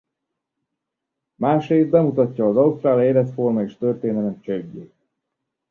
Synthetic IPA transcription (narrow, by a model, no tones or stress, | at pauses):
maːʃreːst̪̚bɛmut̪ɒcːɒːzɒust̪ɾaːleːlɛt̪formɒeʃt̪ørt̪eːnɛlɛt͡ʃɛɟːe